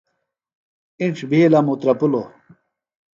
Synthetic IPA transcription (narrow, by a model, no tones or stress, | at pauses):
iʈ͡ʂʰbʱilamut̪ɾɐpulo